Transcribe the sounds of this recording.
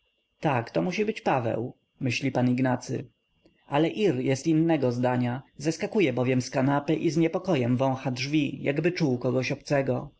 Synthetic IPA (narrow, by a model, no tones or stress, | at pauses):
t̪akt̪ɔmuɕibɘt͡ɕpavɛ̰w | mɘɕlʲipaniɡnat̪sɘ̰ | ʔalɛʔiɾjɛst̪inːɛɡɔzd̪aɲazaskakujɛbɔvʲjɛmskanapɘʔizɲɛpɔkɔjɛmvɔ̃w̃xadʐvʲija̰ɡbɘt͡ʂuwkɔɡɔɕɔpt̪sɛɡɔ